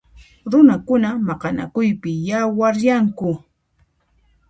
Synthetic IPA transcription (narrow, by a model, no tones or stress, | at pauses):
ɾʊnakʊnamɑqɑna̰kʊjpɪjawaɾjaŋkʊ